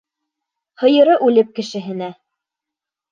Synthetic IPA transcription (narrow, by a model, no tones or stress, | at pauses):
hɤ̆jɤ̆ɾɤʔʉlɘp̚kɘ̆ʃɘ̆ɦɘ̆næ